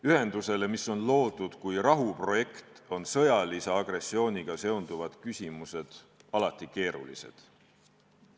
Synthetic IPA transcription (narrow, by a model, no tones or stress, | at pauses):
yhe̞nd̪̥use̞le̞miso̞nlo̞ːd̪̥ud̪̥kujɾɑɦupro̞je̞kt̪o̞nsɤ̞jɑliseɑɡ̥re̞sːio̞ːnʲiɡ̥ɑse̞ond̪̥uvɑd̪̥kysʲimuse̞d̪̥ | ɑlɑt̪ˑːike̞ːɾṵlḭse̞̰d̪̥